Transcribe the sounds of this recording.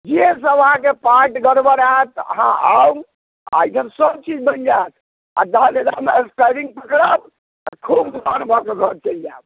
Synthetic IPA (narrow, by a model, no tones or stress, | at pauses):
d͡ʒes̬əʋəɦãkepaʈɡəɾbəɾet̪ɦã̰awm | a̰isəmsəbt͡ʃid͡ʒbənd͡ʒat̪ | a̰d̪əled̪ameesʈajɾiŋɡ̚pəkɾəb̪̚ | akʰubd̪ʱənbʱɔkeɡʱəɾt͡ʃəld͡ʒab